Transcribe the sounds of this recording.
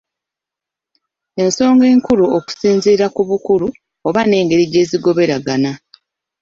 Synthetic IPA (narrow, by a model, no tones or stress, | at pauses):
e̞nso̞ːŋɡe̞ːŋkuɾuoku̥siːnziːɾakuβukuɾu | oβane̞ːŋɡe̞ɾiɟe̞ːziɡo̞βe̞ɾaɡana